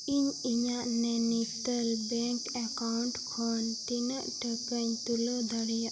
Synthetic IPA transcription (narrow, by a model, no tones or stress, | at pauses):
iɲiɲaʔnɛnist̪əlbɛŋkɛkawɳʈkʰɔnt̪inəʔʈəkəɲt̪uləd̪aɽijaʔ